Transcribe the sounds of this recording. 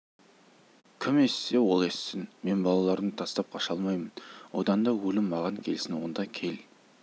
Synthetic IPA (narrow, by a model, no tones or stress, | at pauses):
kʲʰɪme̞sːe̞wo̞lˠe̞sːɪnme̞nbɑlˠɑlˠɑɾd̪əŋt̪ʰɑst̪ɑp̚qʰɑʃɑlˠmɑjmənwo̞̰d̪ɑnd̪ɑwɵlɪmːɑʁɑŋkʲʰe̞lsɪnwo̞nd̪ɑkʲʰe̞l